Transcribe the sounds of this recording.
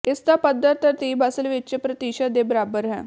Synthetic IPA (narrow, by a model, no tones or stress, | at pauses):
est̪apəd̪ːəɾt̪əɾt̪ibʱasəlʋeɕəpɾət̪iɕəd̪ebəɾabəɾɦɛ̰̃